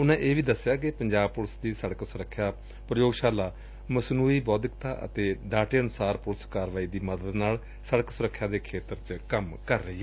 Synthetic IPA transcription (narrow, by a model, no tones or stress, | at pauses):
ʊnãːʔeːʋiːd̪əsːjaːkɪpəɲd͡ʒaːb̚pʊlsd̪iːsəɽəksʊɾəkʰːjaː | pɾəjoːɡʃaːlaː | məsnuːiːbɔːd̪ɪkt̪a̰ːʔə̰t̪eːɖaːʈeːənʊsaːɾpʊlskaːɾʋaːiːd̪iːməd̪əd̪naːl | səɽəksʊɾəkʰːjãːd̪eːkʰeːt̪əɾt͡ʃkəmkəɾːəiːɦɛː